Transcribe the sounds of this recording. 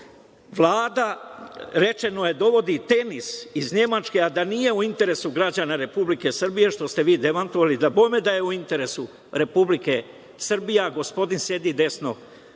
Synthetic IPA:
ʋlˠaːd̪a | ɾe̞t͡ʃe̞noje̞d̪o̞ʋo̞d̪it̪e̞nisizɲe̞mat͡ʃke̞ad̪anije̞uint̪e̞ɾe̞suɡɾad͡ʑanaɾe̞publike̞sr̩bije̞ʃt̪o̞st̪e̞ʋiːd̪e̞mant̪oʋalid̪abo̞jmed̪aje̞uint̪e̞ɾe̞su | ɾe̞publike̞ | sr̩bijaɡo̞spo̞d̪insje̞d̪id̪e̞sno̞

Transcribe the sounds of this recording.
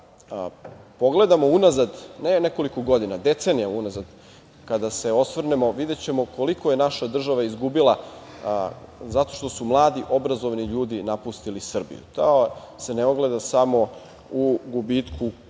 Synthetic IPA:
po̞ɡle̞d̪amo̞unazad̪neneko̞likoɡo̞d̪inad̪e̞t̪se̞nijaunazad̪ | kad̪ase̞o̞sʋr̩nemo̞ʋid̪e̞t͡ɕe̞mo̞ko̞liko̞je̞naʃad̪r̩ʒaʋaizɡubilˠa | zat̪o̞̥ʃt̪o̞sumlˠaːd̪iʔo̞bɾazo̞ʋniʎuːd̪inapust̪ilisr̩bḭjṵt̪ao | se̞neo̞ɡle̞d̪asamo̞ | uɡubit̪kʰu

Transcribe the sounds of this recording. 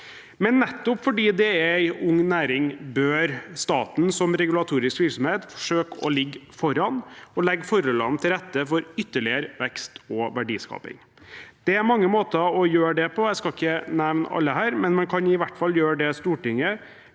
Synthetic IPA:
mɛnːɛt̪ːɔpfɔɖiːd̪ɛææɪʊŋːnæːɾɪŋbøːɾst̪ɑːt̪n̩sɔmɾɛɡʉlɑt̪ʰuːɾɪskʋɪɾksɔmheːt̪fɔ̥ʂøːkɔ̰lɪɡːfɔɾɑnɔlɛɡːfɔɾɔlɑnt̪ʰɪlɾɛt̪ːəfɔɾʏt̪ːəɭɪəɾʋɛkst̪ɔʋæɖḭːskɑ̰ːpɪ̰ŋ | d̪̥ɛæɾmɑŋːəmoːt̪əɔjøːɖɛpʰɔæɪskɑɪçːənæʋnɑ̰lːəɦæːɾmɛnmɛnkʰɑnɪʋæʈfɑlːjøːɖɛst̪uːʈɪŋə

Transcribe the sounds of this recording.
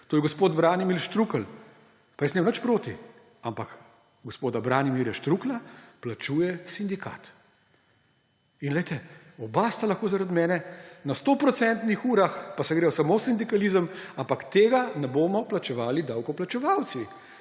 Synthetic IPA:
t̪oːjɛɡɔspoːd̪bɾaːnimilʃt̪ɾuːkəl | pajɛsnemnət͡ʃpɾoːt̪i | ampak | ɡɔspoːd̪abɾaːnimiːɾjaʃt̪ɾuːklaplat͡ʃuːjɛsind̪ika̰t̪ | inlɛjt̪ɛɔbast̪alɐxkoːzaɾad̪mɛːnɛnast̪oːpɾɔt̪sɛnt̪nixuːɾaxpasɛɡɾeːjɔsamoːsind̪ikalizəmampakt̪eːɡanɛboːmɔplat͡ʃɛʋaːlid̪aːwkɔplat͡ʃɛʋaw̪si

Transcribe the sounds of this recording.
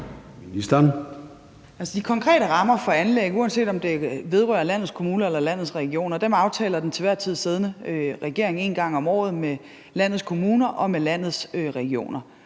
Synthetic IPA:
nisd̥æn | ælsəd̥ikʰɒ̽ŋkʰʁɛ̰ːɾəʁɑ̈mɐfɒ̽ænleɡ̥uːænse̝̰ːd̥ɒ̽md̥e̝ʋe̝ð̞ˠʁɶ̰ːɐlæn̰ð̞̩ˠskʰo̝muːnɐelɐlæn̰ð̞̩ˠsʁɛɡ̥io̝̰ːnɐd̥emɑ̈ʊt͡sʰɛ̰ːlɐd̥ent͡sʰe̝ʋæɐt͡sʰið̞̰ˠse̝ð̞ˠnəʁɛɡ̥e̝ɐ̰e̝ŋe̝ːnɡ̥ɑ̈ŋ̰ɒ̽mɒ̰ːð̩ˠme | læn̰ð̩ˠskʰo̝muːnɐʔɒ̽melæn̰ð̞̩ˠsøʁɛɡ̥io̝̰ːnɐ

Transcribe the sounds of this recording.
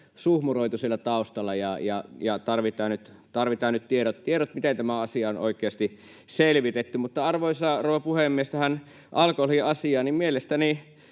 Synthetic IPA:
suhmuroˑit̪usielːɑt̪ɑˑust̪ɑlːˑɑjɑjɑjɑt̪ɑrʋit̪ˑɑːnnyt̪ | t̪ɑrʋit̪ɑːnnyt̪t̪ieɾot̪t̪ieɾot̪mit̪ent̪æmæɑsiɑono̰ˑikˑeɑst̪i | selʋit̪et̪ːymut̪ːɑɑrʋoˑisɑːrouʋɑpuhemːiest̪æhæn | ʔɑlkohiʔɑsiɑːnimmielest̪æni

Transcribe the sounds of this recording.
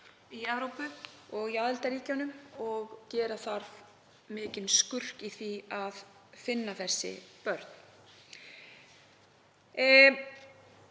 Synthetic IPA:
iɛvɾowpʏɔɣiaːðɪlt̪aɾiːcanʏmɔɣcɛːɾaθaɾv | mɪːcɪnskʏr̥kiθiað | fɪnːaθɛsːɪ̰pœɾt̪n̥

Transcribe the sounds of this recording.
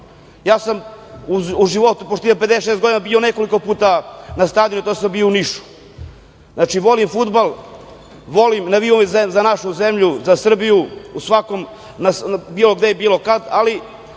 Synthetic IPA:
jaːsamuuʒiʋo̞t̪upoʃt̪ijeped̪eʃest̪ɡo̞d̪inabione̞ko̞liko̞puːt̪anast̪ad̪inut̪oːsambiouniʃu̥ | nat͡ʃiʋo̞limfud̪balˠ | ʋo̞limnaʋiomzezanaʃuzemʎuzasr̩bijuusʋakom | nasbiːlo̞ɡd̪ejebiːlo̞kad̪ali

